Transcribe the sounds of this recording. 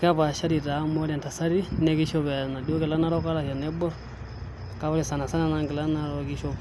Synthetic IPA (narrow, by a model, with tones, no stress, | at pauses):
ka˦βa˨ʃa˦ɾi˨ta˨˦mɔ˦ɾa˨nta˨sa˦ɾi˦nɛ˦ki˦ʃɔ˦βɛ˨na˨di˦o˦kɛ˨la˦na˦ɾɔ˦ka˦ɾa˨ha˨nɛ˦bɔ˦ | ka˦βa˦li˦˨sa˨na˨sa˦na˦na˦ŋɡɛ˨la˦na˦ɾɔ˦ki˦ʃɔ˦